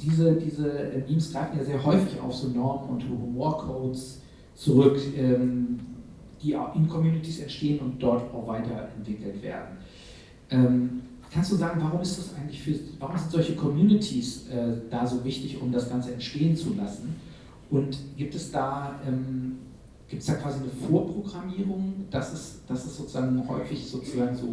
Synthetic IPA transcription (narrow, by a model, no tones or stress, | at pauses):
d̥iːzədiːzəʔɛniːmsɡ̥ʁaɪfn̩jaːzeːɐɦɔʏfɪça̰ʊfz̥oːnɔɐmənʊ̰nthuhumoːɐkʰoʊts | t͡suʁʏkʔɛːm | d̥iːa̰ʔɪnkʰɔmjuːnɪtiːsɛntʃteːənʊnt̚d̥ɔɐtaʊxv̥aɪtɐʔɛntv̥ɪkl̩v̥ḛːɐdn̩ | ʔɛːm | kʰanstd̥uːzaːɡŋ̩vaʁʊmɪstd̥usʔa̰ɪɡŋ̩tlɪçfyːɐvaːʁʊmzɪntz̥ɔlçəkʰɔmjuːnɪtʰisʔɛːd̥aːzoːvɪçtɪçʔʊ̰mdasɡ̥ant͡səɛntʃteːənt͡sulasn̩ | ʔʊntɡ̥iːp̚tɛsd̥aːʔɛːm | ɡ̥iːptɛsd̥aːkv̥aːzinəfoːɐpʁ̥oɡʁamiːʁʊŋd̥asɪsd̥asɪstz̥oːt͡suzaːɡŋ̩hɔ̰ʏfɪçz̥oːt͡suzaːɡŋ̩zoː